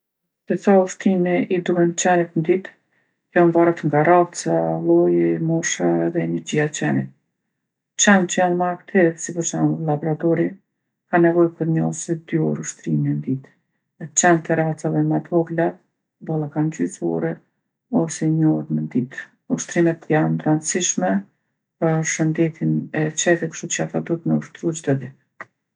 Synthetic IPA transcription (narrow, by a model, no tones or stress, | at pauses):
t̪ɛsauʃt̪ɾimiʔid̪uɦɛnt͡ʃɛnit̪nd̪it̪ | janvaɾat̪ŋɡaɾat͡salˠɔjɛmɔʃaɛðɛnɛɾd͡ʑiat͡ʃɛnit̪ | t͡ʃɛnt͡ʃəjanmaɾkt̪ʰɛsipuɾt͡ʃanlˠabɔɾat̪ɔɾi | kanɛvɔjpəɾɲɔsɛd̪jɔɾuʃt̪ɾimɛnd̪it̪ | t͡ʃɛnt̪ɛɾat͡saðɛmɛt̪ʰɔɡla | bɔlˠakand͡ʑyt͡sɔ̰ɾɛ | ɔsɛɲəɔɾmənd̪it̪ | uʃt̪ɾimɛt̪janɾand̪t͡siʃmɛ | pəʃənd̪ɛt̪ʰinɛt͡ʃɛt̪ɛkʃt̪ut͡ʃəafad̪ut̪nəuʃt̪ɾut͡ʃd̪əd̪i